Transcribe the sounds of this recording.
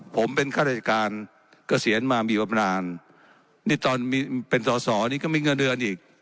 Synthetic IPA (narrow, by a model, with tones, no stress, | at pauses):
pʰo˩˦mpe˧nkʰaː˥˩ɾa˧˩t͡ɕa˨˩kaː˧n | kɔː˥˩si˩˦ənmaː˧miː˧pa˧m˧naː˧n | niː˥˩t̪ɔː˧nmiː˧pe˧nsɔː˩˦sɔː˩˦˧niː˥kɔ˥˩miː˧ŋɤ˧ndɯ˧ənʔiː˨˩k̚